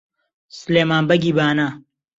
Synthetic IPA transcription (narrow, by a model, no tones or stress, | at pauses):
sleːmaːnbɐɡiːbaːnaː